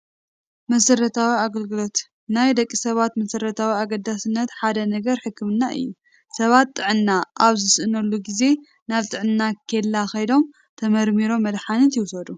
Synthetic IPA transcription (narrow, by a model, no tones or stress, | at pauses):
mɐsɐɾɐt̪ʰawiaɡɐlɡɨlo̞t̪ | najd̪ɐkʼːisɐβat̪mɐsɐɾɐt̪ʰawiaɡɐd̪ːasɨnːɐt̪ħad̪ɐnɐɡɐɾħɨkʰːɨmɨnːaʔɨ̰jːu | sɐβat̪ːʼɨʕɨnːaʔaβzɨsʔɨnɐlːuɡize̞ | naβt̪ʼɨʕɨnːakʰelːaxɐjd̪o̞m | t̪ʰɐmɐɾmiɾo̞mːɐd̪ħanɨt̪jɪwsɐd̪u